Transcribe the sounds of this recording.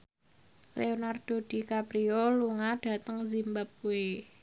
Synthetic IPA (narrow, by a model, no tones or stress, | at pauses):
lḛonard̥o̤d̥i̤kapɾioluŋaɖ̥a̤t̪əŋzimbap̚uwe